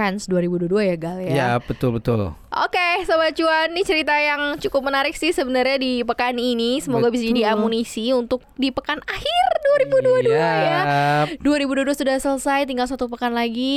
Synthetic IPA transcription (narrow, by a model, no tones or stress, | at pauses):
ansduaɾibuduaduajaɡaljajab̥ət̪ʊlbət̪ʊ̰lʔo̰kesəbat͡ʃuanːit͡ʃəɾit̪ajaŋt͡ʃukʊp̚mənaɾɪksɪhsəbənərɲadipəkaninisəmoɡabisad͡ʒadiamunisiunt̪ʊk̚dipəkanahɪrduaɾibuduaduajaduaɾibuduaduasudahsələsajt̪̬iŋɡals̬at̪upəkanlaɡi